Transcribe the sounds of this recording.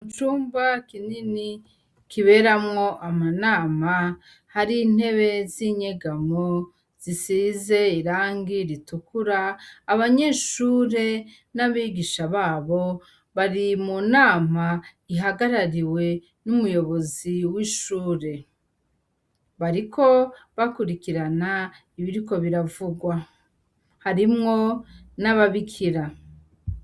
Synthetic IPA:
t͡ʃuːmbakinini | kʰiβe̞ɾamŋo̞ʔamanaːma | haɾin̥e̞βe̞ziɲeɡamo | z̥isiːze̞iɾaːŋɡiɾitukuɾaːβaɲe̞ːʃuːɾe̞ | naβiɡiʃaβaːβo̞ | βaɾimunaːmaiɦaɡaɾaɾiwe̞ | numujo̞βo̞ziwiʃuːɾe̞ | βaɾikʰo̞βakuɾikiɾana | iβiɾiko̞βiɾavuɡwa | haɾimŋo̞naβaβikʰiɾa

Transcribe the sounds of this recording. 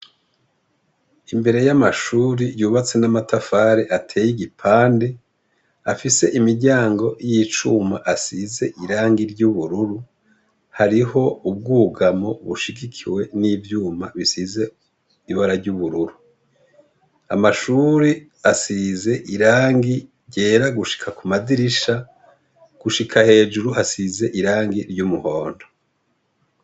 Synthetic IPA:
imbe̞ɾe̞jamaʃuːɾijuːβat͡se̞namatafaːɾeʔatʰe̞ːjiɡipʰaːnde | afise̞ʔimiɟaːŋɡo̞jit͡ʃuma̰ʔasize̞ʔiɾaːŋɡiɾɟuβuɾuɾu | haɾiho̞ub̚ɡuːɡamo̞βuʃiɡikʰiwe̞niːvjuːmaβisize̞ | iβaɾaɾɟuβuɾuɾu | amaʃuɾi | asize̞ʔiɾaːŋɡi | ɟe̞ːɾaɡuʃi̥kʰakumadiɾiʃa | ɡ̥uʃikʰahe̞ːd͡ʒuɾuhasize̞ʔiɾaːŋɡiɾɟumuho̞ːndo̥

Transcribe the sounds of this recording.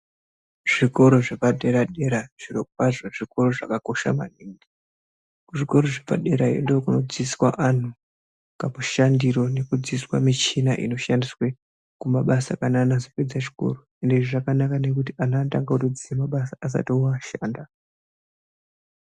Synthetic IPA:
ʐ̥iko̞ɾo̞ʐepaɗe̞ɾaɗe̞ɾaʐ̥iɾopaʐoʐiko̞ɾo̞ʐakako̞ʃa̰ma̰niːŋɡi | kuʐiko̞ɾo̞ʐepa̰ɗe̞ɾaḛndokuno̞d͡ziswaʔan̤u | kamuʃandiɾo̞ne̞kud͡ziswamit͡ʃinaʔḭno̞ʃandiswe̞ | kumaɓasakananazoped͡zaʐi̥ko̰ru | ende̞ʐiʐakanakane̞k̬utianaːtaŋɡautod͡ziimaɓasaːs̬a̰tiuaʃaːnda

